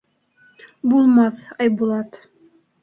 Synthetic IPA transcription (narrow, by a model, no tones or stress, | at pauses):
bulˠmɑθɑjbulˠɑt̪